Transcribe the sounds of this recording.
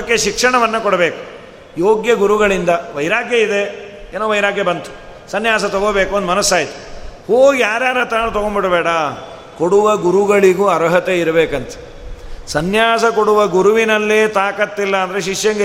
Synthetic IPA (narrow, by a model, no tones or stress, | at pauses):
kːeʃikʂɐɳɐʋɐnːɐkɔɽɐbeːku̥ | joːɡjɐɡuɾuɡɐɭind̪ɐʋɐjɾaːɡjɐid̪e̞eːnoːʋɐjɾaːɡjɐbɐnt̪u̥ | sɐnjaːs̬ɐt̪ɔɡoːbeːkuond̪umɐnɐsːaːjit̪u̥hoːɡijaːɾjaːɾɐt̪aːɳut̪ɔɡombiʈɐbɛːɽɐ | koɽuʋɐɡuɾuɡɐɭiɡuɐɾɦɐt̪eiɾɐbeːkɐnt̪ɐ̥ | sɐnjaːsɐkoɽuʋɐɡuɾuʋinɐlːeːt̪aːkɐt̪ːilːɐːnd̪ɐɾeʃiʂjɐŋɡe